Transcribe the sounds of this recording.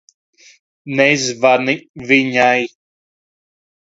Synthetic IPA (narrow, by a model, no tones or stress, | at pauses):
nɛizvaɾniviɲaj